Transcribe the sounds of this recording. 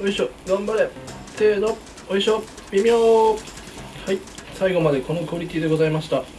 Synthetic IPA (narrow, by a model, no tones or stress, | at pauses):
oiɕoɡãmbaɾe̞ | t̪eːd̪o | oiɕo | bʲimʲoː | haisaiɡo̞mad̪e̞ko̞nokɯ̟oɾʲit̪ʲid̪e̞ɡo̞zaimaɕi̥t̪a